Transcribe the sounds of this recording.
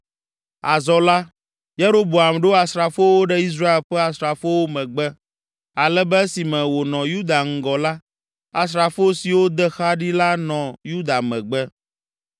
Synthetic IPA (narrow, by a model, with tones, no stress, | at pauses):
a˨zɔ˨la˦ | je˦ɾo˦bo˨a˨mɖo˦a˨sɾa˨fo˦wo˦ɖɛ˦i˦s̬ɾa˦e˨lɸɛ˦a˨sɾa˨fo˦wo˦mɛ̃˨ɡ͡bɛ˦ | a˨lɛ˦bɛ˦si˨mɛ̃˨wo˨nɔ̃˨ju˦d̪a˨ŋ̩˦˨ɡɔ˨la˦ | a˨s̬ɾa˨fo˦si˨wo˦d̪ɛ˦xa˦ɖi˦la˦nɔ̃˨ju˦d̪a˨mɛ̃˨ɡ͡bɛ˦